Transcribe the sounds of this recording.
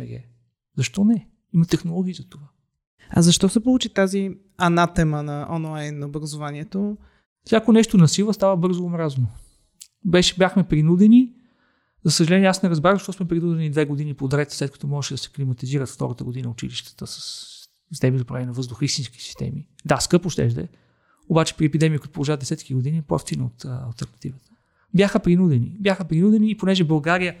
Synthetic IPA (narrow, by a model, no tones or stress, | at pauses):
ɛɡɛ̰ | zɐʃt̪ɔnɛ | imɐt̪ɛxnolˠɔɡʲiːzɐt̪ova | ɐ̰zɐʃt̪ɔsɛpolˠut͡ʃit̪azi | ɐnat̪ɛmənɐʔɔnoanːɐobɾɐzovaniɛt̪o | sʲjakonɛʃt̪onɐsilˠəst̪avəbɤɾzoːmɾazno | bɛʃɛbʲjaxmɛpɾinud̪ɛni | zɐsəʒɐlɛnʲiɛasnɛɾɐzbɾaʃt̪ɔsmɛpɾinud̪ɛnid̪vɛɡod̪inipod̪ɾɛt̪slɛt̪kɐ̥t̪ɔmɔʒɛʃɛd̪ɐsɛ̥klimɐt̪iziɾət̪ft̪ɔ̰ɾət̪əɡod̪inəʊt͡ʃḭliʃt̪ə̥t̪əsə̥s | sist̪ɛmizopɾɛnʲɛnɐvɤzd̪ʊxəist̪inski̥si̥st̪ɛ̰mid̪askɤpoʃt̪ɛ̰ʒd̪ɛ̰ | obat͡ʃɛ̥pɾiɛpid̪ɛmikit̪ʊpolˠʒavəd̪ɛsɛt̪kiɡod̪inipɐ̰ft̪inəot̪ɐ̰lˠt̪ɛɾnɐt̪ivət̪ə̥ | bjaxəpɾinud̪ɛnḭbjaxəpɾinud̪ɛniːponɛʒɛbɐlˠɡaɾijə